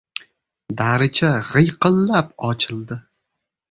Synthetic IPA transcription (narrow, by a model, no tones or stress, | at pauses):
d̪aɾɪd͡ʒaʁɨjqɨlːap̚ɒt͡ʃʰɪlˠd̪ɪ